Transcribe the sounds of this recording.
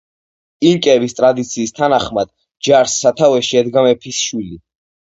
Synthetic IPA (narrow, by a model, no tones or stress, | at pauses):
iŋkʼɛbist̪ʼɾad̪it̪sʰiːst̪ʰanaχmad̪̥̚ | d͡ʒaɾsːat̪ʰavɛʃiɛd̪ɡamɛpʰisʃwili